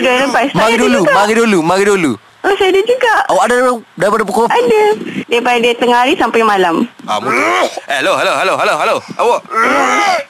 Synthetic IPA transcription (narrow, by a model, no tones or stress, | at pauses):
dəɾəpasmaaidulumaɣidulumaɣidulu | əsajadad͡ʒuɡaʔawaʔadadapaadaɾipadapukoadadajpadadiat̪əŋaɦaɾisampajmalama̰mualoɦaloɦaloɦaloɦaloawaʔ